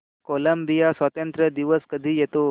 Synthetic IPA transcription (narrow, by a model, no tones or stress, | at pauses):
koləmbijasʋat̪ənt̪ɾəd̪iʋəskəd̪ʱiːjet̪o